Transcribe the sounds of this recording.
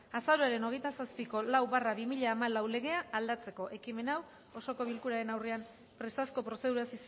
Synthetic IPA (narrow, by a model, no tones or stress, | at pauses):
asaɾuaɾe̞no̞ɣe̞jt̪asaspiko̞lawβaraβimiʎaːmalawle̞ɣe̞aːld̪at͡se̞ko̞ʔe̞kime̞naw | o̞so̞ko̞β̞ilkuɾaɾe̞nawre̞am | pɾe̞st̪asko̞pɾo̞se̞ð̞uɾasis